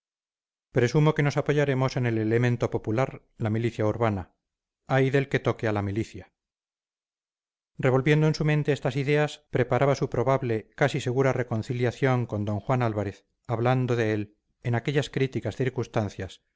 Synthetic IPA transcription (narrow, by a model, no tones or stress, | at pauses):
pɾe̞sumo̞ke̞no̞sapo̞ʝaɾe̞mo̞se̞ne̞lelemẽ̞nt̪o̞po̞pulaɾ | lamiliθjauɾβana | ajðe̞lke̞t̪o̞kealamiliθja | re̞β̞o̞lβje̞nd̪oensument̪e̞est̪asiðe̞aspɾe̞paɾaβasupɾo̞βaβle̞kasise̞ɣuɾare̞ko̞nθiljaθjo̞ŋko̞nd̪o̞ŋxwanalβaɾe̞θ | aβland̪oðe̞el | enake̞ʎaskɾit̪ikasθiɾkunst̪an̟θjas